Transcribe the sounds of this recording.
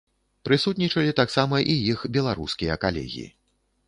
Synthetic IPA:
pɾɨsut̪nʲit͡ʂɐlʲit̪aksamɐʔijixbʲɛlˠaɾṵskʲijɐkalʲɛ̰ɣʲḭḭ

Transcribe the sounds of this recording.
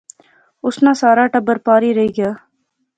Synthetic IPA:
ʊsnaːsaːɾaːʈəbəɾpaːɾiːɾɐɦiːɡɪjaː

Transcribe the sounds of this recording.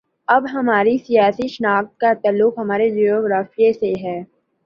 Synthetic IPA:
ɐbɦɐmaːɾisijaːsiʃnaːk̚t̪̚kat̪aːlːʊkɦɐmaːɾed͡ʒijoɡɾaːfijeseɦɛː

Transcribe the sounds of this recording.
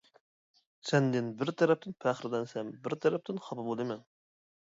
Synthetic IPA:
sɛnd̪ɪnbɪɾt̪ʰɛɾɛp̚t̪ʰɪnpʰæχɾɪlɛnsɛmbɪɾt̪ʰɛɾɛp̚t̪ʰɪnχɑpɨbolˠɨmɛn

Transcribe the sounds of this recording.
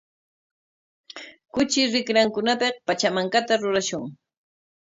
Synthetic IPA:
kʊt͡ʃɪɾɪkɾaŋkʊnapeχpat͡ʃamaŋkat̪aɾʊɾaʃʊŋ

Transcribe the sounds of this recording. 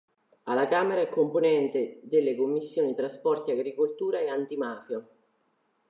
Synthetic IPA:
alakaːmeɾaɛkːomponɛnt̪ed̪elːekomːisːjoːnit̪ɾaspɔrt̪iaɡɾikolt̪uːɾaeant̪imaːfjo

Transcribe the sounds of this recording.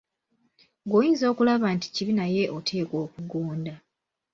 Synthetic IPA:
ɡwojiːnzo̞ːkulaβaːnti̥ciβinaje̞ʔotʰe̞ːko̞ːkuɡoːnda

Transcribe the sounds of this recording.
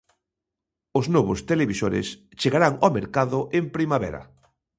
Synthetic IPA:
oznoβʊst̪eleβisoɾḛs | t͡ʃeɣaɾaŋomeɾkaðʊʔempɾimaβɛ̰ɾɐ̰

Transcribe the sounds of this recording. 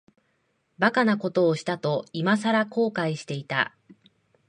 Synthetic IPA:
bakanako̞t̪o̞ːɕi̥t̪at̪o̞imas̬aɾako̞ːkaiɕi̥t̪e̞it̪a̰

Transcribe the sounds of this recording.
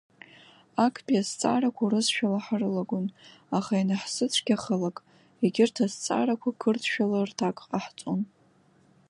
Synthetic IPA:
akʰpʼiazt͡sʼa̰rakʷʰauɾɨzʃᶣalaħarɨlaɡʷʊnaχainaħsɨt͡sʷʰɡ̥ʲaχəlakʼ | iɡʲɪrtʰazt͡sʼa̰ɾakʷʰakʰɨrtʰʃᶣalartʰakʼqʼaħt͡sʼon

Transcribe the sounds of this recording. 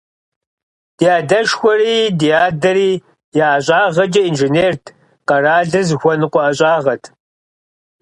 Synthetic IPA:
d̥ijaːdɐʃxʷɔriːdijaːdɐɾiː | jaːɕʼaːʁɐd͡ʒʼɐinʒɪneːrtʰ | qɐraːɮɨzxʷɔnɨqʷɔɐɕʼaːʁɐtʰ

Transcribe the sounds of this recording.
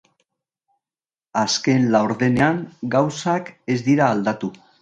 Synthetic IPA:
aske̞nlawɾðe̞ne̞aŋɡawsake̞zd̪iɾaːld̪at̪u

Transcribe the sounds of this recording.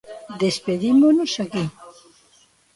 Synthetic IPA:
d̪espeðimonosaki

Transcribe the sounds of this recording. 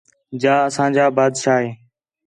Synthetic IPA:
d͡ʒaːəsãːd͡ʒaːbaːd̪ʃaːɦeː

